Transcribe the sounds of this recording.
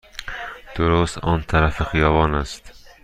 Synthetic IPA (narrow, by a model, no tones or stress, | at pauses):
d̪̥oɾost̪ɒ̰ːnt̪ʰæɾæfexijɒːvɒːnæst̪